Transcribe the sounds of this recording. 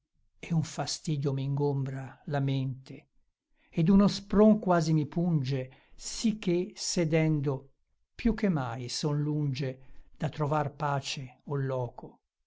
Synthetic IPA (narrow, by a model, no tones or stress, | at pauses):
ɛuɱfast̪iːd̪jomiŋɡombɾalament̪e | ed̪unospɾoŋkwaːzimipund͡ʒesik̟ːesed̪ɛnd̪o | pjuk̟ːemːajsonlund͡ʒed̪̥at̪ːɾovarpaːt͡ʃeolːɔːkʰo